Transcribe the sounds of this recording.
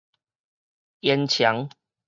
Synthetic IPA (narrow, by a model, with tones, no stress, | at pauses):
jɛ˧nt͡ɕʰja˨˦ŋ